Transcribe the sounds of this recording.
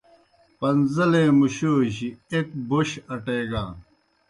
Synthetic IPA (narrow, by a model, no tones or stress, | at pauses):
pɐnzɐleːmuɕoːɕiek̚boɕɐʈeːɡaː